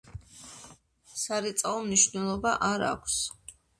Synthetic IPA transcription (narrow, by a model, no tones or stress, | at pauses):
saɾɛt̪sʼaɔmniʃvnɛlˠɔbaʔaɾa̰kʷʰs